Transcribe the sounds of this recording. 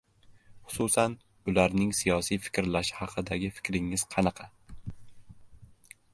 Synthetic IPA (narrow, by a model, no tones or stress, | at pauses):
χʊ̥sʊsan | ʊlaɾnɪŋsijɒsijfɪ̥kʲɾlaʃhɑqʰɨd̪aɡʲɪfɪ̥kʲɾɪŋːɪz̥qʰɑnɑqʰɑ